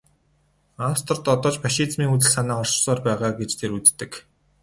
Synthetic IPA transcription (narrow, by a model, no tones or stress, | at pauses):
awst̪̆ʰrt̪ɔt̪ɔːt͡ɕpaʃiːt͡smiːŋut͡sɘ̆ɮsanaːχɔr̥t͡ɕsɔːrpæːʁaːɡet͡ɕt̪ʰeːɾut͡st̪ːɘ̆k